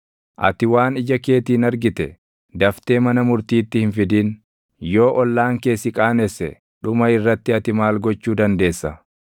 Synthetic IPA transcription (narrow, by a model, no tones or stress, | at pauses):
ʔɐ̰t̪ɪwaːnɪd͡ʒɐke̞ːt̪iːnɐɾɡɪt̪ɛ | d̪ɐft̪e̞ːmɐnɐmʊɾt̪iːt̪ːɪhɪnfɪd̪iːn | jo̞ːʔɔlːaːŋke̞ːsɪkʼaːnɛsːɛ̰ | ɗʊmɐɪrːɐt̪ːɪɐt̪ɪmaːlɡɔt͡ʃːuːd̪ɐnd̪e̞ːsːɐ